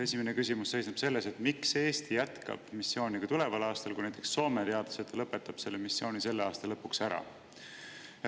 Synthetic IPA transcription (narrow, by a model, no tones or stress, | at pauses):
esʲimenekysʲimusse̞jsnɑb̥se̞lːe̞se̞t̪mikseeːst̪ijæt̪kɑ̰b̥misːjo̞ːnʲikɑt̪ule̞vɑlɑːst̪ɑlkujnæjt̪ːˑeksːo̞ːmet̪eɑd̪̥o̥set̪ːˑɑlɤpːˑe̞t̪ːˑɑb̥se̞lːemisːjo̞ːnise̞lːeɑːst̪ɑlɤpːˑuksæɾɑ̰